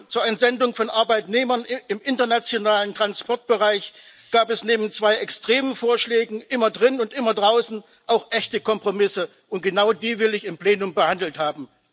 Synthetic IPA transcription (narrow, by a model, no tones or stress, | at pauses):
t͡suːɐʔɪnzɛndʊŋfɔnʔaɐbaɪtneːmɐnɪmʔɪntɐnat͡sjonaːləntʁ̥anspɔɐt̚b̥əʁaɪç | ɡ̥aːpɛsneːbn̩t͡sv̥aɪʔɛkstʁ̥eːmənfoːɐʃlɛːɡŋ̩ʔɪmɐdʁɪnʊntʔɪmɐdʁaʊsn̩ | ʔaʊxʔɛçtəkɔmpʁ̥omɪsə | ʔʊnt̚ɡ̥ənaʊdiːvɪlɪçɪmpleːnʊmbəhandl̩thaːbm̩